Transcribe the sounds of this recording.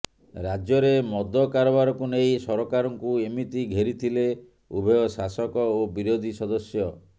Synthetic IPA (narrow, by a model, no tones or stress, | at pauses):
ɾad͡ʒjɔɾemɔd̪ɔkaɾɔbaɾɔkunejsɔɾɔkaɾɔŋkuemit̪iɡʱeɾit̪ʰile | ubʱɔjɔsasɔkɔobiɾod̪ʱisɔd̪ɔsjɔ